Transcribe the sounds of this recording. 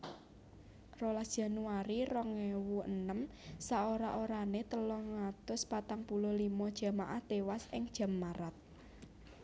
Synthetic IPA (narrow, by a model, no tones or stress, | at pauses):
rolad̥ʒ̥a̤nuaɾirɔŋewuənəmsaoɾaʔoɾanet̪əlɔhŋat̪ʊspat̪aŋpulʊlimɔd̥ʒ̥ä̤maʔaht̪ewasɪŋd̥ʒ̥a̤maɾat̪̚